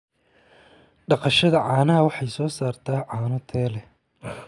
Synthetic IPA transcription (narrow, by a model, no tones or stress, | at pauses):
ɖɑqɑʃɐðɐʕɑːnɐɦɐwɑħɑjsɔːsaːrt̪ʰaːʕaːnɔt̪ʰɛːlɛ